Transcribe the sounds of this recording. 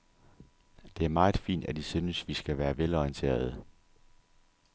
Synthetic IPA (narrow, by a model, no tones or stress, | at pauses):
d̥e̝æɐmɑ̈ːð̩ˠfḭːnd̥æd̥isyːnəsʋisɡ̥æʋæːɐʋelɒiənt͡sʰe̝̰ːɐð̞̩ˠə